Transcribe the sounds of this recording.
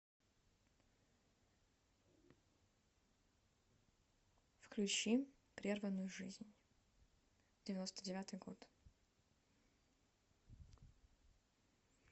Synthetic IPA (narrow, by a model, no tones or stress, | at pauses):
fklʲʉt͡ɕi | pɾʲervənːʊjʊʐɨzʲnʲ | dʲɪvʲɪno̞st̪ədʲɪvʲat̪ɨjɡo̞̰t̪